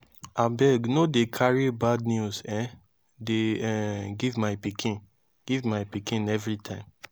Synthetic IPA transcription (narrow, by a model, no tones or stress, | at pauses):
abɛɡnodekʰaɹibad̚njuzɛ̃ | deɛɡivmaɪpikʰĩn | ɡ̥ivmaɪpikĩnɛvɹitʰãɪ̃m